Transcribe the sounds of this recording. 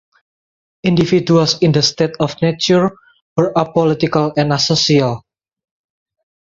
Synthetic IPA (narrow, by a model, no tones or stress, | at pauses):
ʔĩndifidualsĩnd̪əst̪et̪ɔfnet͡ʃuɹ | wəɹʔapɔlit̪ikalɛ̃nasosial